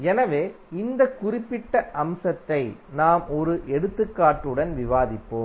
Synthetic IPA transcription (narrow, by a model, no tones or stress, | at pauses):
ɛnɐʋeː | ɪnd̪ɐkːʊrɪpːɪʈːɐʔɐmsɐt̪ːɐɪnaːmɔɾɯʔɛɽɯt̪ːɯkːaːʈːɯɽɐnʋɪʋaːðɪpːoː